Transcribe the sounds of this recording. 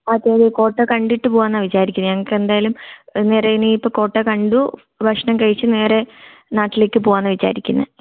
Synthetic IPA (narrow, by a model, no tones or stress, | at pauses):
ɐt̪ːeːðiko̞ːʈːɐkɐɳɖiʈːɨpoːɣwaːnːɐʋit͡ɕaːɾikʲːunːɨɲaɐŋːɐkːɨend̪aːjɐlumne̞ːɾeinɨipːoko̞ːʈːekɐɳɖu | bʱɐkʂɳɐmkɐɻit͡ɕːɨne̞ːɾe̞naːʈːileːkʲːɨpoːʋaːnːɐʋit͡ɕa̰ːɾikʲːunːɐ̰